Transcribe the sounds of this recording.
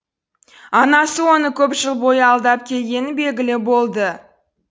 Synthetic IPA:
ɑnɑsəwo̞nəkʲʰɵpʒəlˠbo̞jəɑlˠd̪ɑp̚kʲʰe̞lɡʲe̞nɪbe̞lɡʲɪlɪbo̞lˠd̪ə

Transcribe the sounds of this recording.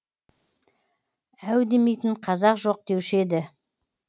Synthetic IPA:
æwd̪e̞me̞jt̪ɪɴqʰɑzɑqʒo̞q̚d̪e̞wʃe̞d̪ɪ

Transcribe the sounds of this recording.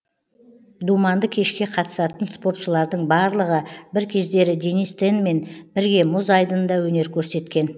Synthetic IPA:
d̪umɑnd̪əkʲʰe̞ʃkʲe̞qʰɑt̪ə̥sɑt̪ənspo̞ɾt̪ʃəlˠɑɾd̪əɴbɑɾlˠəʁəbɪɾkʲʰe̞zd̪e̞ɾɪd̪enist̪enme̞nbɪɾɡʲe̞mʊzɑjd̪ənd̪ɑwɵne̞ɾkʲʰɵɾse̞t̪kʲe̞n

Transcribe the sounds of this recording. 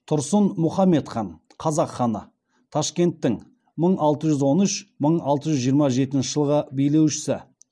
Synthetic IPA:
t̪ʰʊɾsənmʊχɑmːe̞t̪χɑn | qʰɑzɑqχɑnə̰ | t̪ʰɑʃkʲe̞nt̪ːɪŋ | məɴɑlˠt̪əʒʏzwo̞nʏʃməɴɑlˠt̪əʒʏzʒijəɾmɑʒe̞t̪ɪnʃɪʒəlˠʁəbejle̞wʃɪ̥sɪ

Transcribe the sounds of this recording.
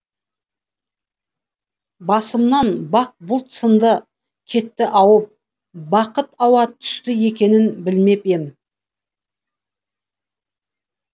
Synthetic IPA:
bɑsəmnɑnbɑq̚bʊlˠt̪sənd̪ə | kʲʰe̞t̪ːɪʔɑwəp̚ | bɑqət̪ɑwɑt̪ʰʏ̥st̪ɪe̞kʲe̞nɪnbɪlme̞pe̞m

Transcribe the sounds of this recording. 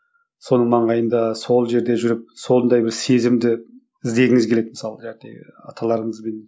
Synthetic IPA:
so̞nəɴmɑɴʁɑjənd̪ɑso̞lˠʒe̞ɾd̪e̞ʒʏɾɪp̚so̞nd̪ɑjbɪɾse̞zɪmd̪ɪ | ɪzd̪e̞ɡʲɪŋɪzkʲe̞le̞t̪mə̥sɑlˠəʒæɾt̪ḛɡʲɪɑ̰t̪ʰɑlˠɑɾəɴəzbe̞n

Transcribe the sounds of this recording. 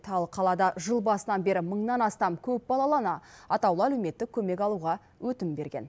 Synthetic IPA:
t̪ʰɑlˠqʰɑlˠɑd̪ɑʒəlˠbɑsənɑnbe̞ɾɪməɴnɑnɑst̪ɑmkʲʰɵp̚bɑlˠɑlˠɑnɑɑt̪ɑwlˠəælewme̞t̪ːɪkʲʰɵme̞kɑlˠuʁɑ | wɵt̪ɪmbe̞ɾɡʲe̞̰n

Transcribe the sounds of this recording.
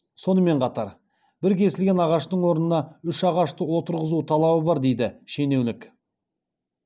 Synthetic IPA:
so̞nəme̞ɴqʰɑt̪ɑɾ | bɪɾkʲʰe̞sɪlɡʲe̞nɑʁɑʃt̪əɴwo̞ɾnənɑʏʃɑʁɑʃt̪əwo̞t̪əɾʁəzut̪ʰɑlˠɑbəbɑɾd̪e̞jd̪ɪʃe̞ne̞wlɪk

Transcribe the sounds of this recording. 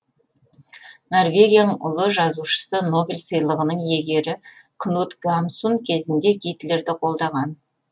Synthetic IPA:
no̞rvʲe̞ɡʲijanəʊ̰lˠəʒɑzuʃə̥səno̞bʲilʲsəjlˠəʁənəɴje̞ɡʲe̞ɾɪkʰnut̪ɡamsunkʲʰe̞zɪnd̪e̞ɡʲijt̪le̞ɾd̪ɪqʰo̞lˠd̪ɑʁɑn

